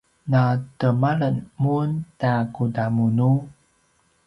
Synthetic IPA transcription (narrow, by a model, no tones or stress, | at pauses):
natəmaɭənmuntakudamunu